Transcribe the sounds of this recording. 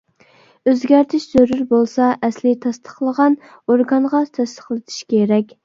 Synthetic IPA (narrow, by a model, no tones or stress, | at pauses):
øzɡʲæɾt̪ʰɪʃz̥øɾyɾbolˠsɑʔɛslɪt̪ʰɑst̪ʰə̥χlˠəʁɑn | oɾɡɑnʁɑt̪ʰɛst̪ə̥χlˠɨt̪ʰi̥ʃkʲeɾɛkʲ